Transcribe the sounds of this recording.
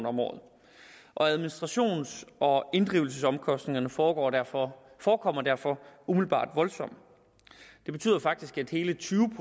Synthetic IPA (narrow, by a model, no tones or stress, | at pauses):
nɒ̽mɒ̰ːð̩ˠ | ʔɒ̽æð̞ˠminisd̥ʁɑ̈ɕo̝̰ːnsʔɒ̽e̝nd̥ʁiːʊl̩səsɒ̽mkʰɒ̽sd̥ne̝ŋɐnə̥ɒ̰ː | fɒːkʰɒ̽m̰ɐd̥æɐfɒ̽umiðl̩b̥ɑ̰̈ːd̥ʋɒ̽lsɒ̽m̰ | d̥eb̥e̝t͡sʰy̰ːð̰ˠɐfɑ̈ɡ̥̚d̥isɡ̥æd̥he̝ːlət͡sʰyːʊəpʰ